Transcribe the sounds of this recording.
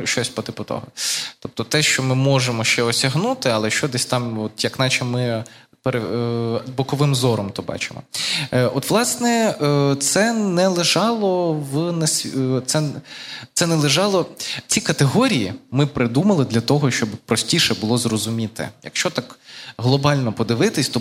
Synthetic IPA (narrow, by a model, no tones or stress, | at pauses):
ʃt͡ʃɔsʲpɔt̪ɪpɔt̪ɔ̰ɦɔt̪ɔp̚t̪ɔt̪ɛʃt͡ʃɔmɪmɔʒemɔʃt͡ʃɛɔsʲɐɦnut̪ɪɐlˠɛʃt͡ʃɔd̪ɛsʲt̪ɑmɔt̪jɐknɑt͡ʃɛmɪ | peɾɐd̪bɔkɔʋɪmzɔɾɔmt̪ɔbɑ̰t͡ʃɪmɔ̰ɔt̪ʋlˠɑsnɛt̪sɛnɛlˠɪʒɑlˠɔʋnɐsʲt̪sɛt̪sɛnɛlˠɪʒɑlˠɔt͡sʲikɐt̪eɦɔɾʲijimɪpɾɪd̪umɐlˠɪd̪lʲɐt̪ɔɦɔʃt͡ʃɔbpɾɔsʲtʲiʃɛbʊlˠɔzrɔzʊmʲit̪ɛ̰jɐ̰kʃt͡ʃɔt̪ɑkɦlˠɔbɑlʲnɔpɔd̪ɪʋɪt̪ɪsʲt̪ɔ